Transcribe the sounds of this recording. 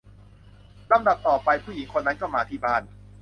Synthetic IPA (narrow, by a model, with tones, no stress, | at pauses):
la˧˦mda˨˩p̚t̪ɔː˨˩pa˧jpʰuː˥˩ji˩˦ŋkʰo˧nːa˦˥nkɔː˥˩maː˧t̪ʰiː˥˩baː˥˩n